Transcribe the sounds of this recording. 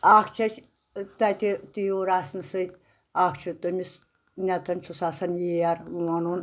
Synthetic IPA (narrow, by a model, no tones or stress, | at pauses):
aːkʰt͡ʃʰɐt͡ʃ | t̪ɐt̪ʲit̪ijuɾaːsnɨsɨt̪ʲ | akʰt͡ʃʰut̪ɨmis | nʲɐt̪ʰɐnt͡ʃʰusaːsɐnjijɐɾɐnun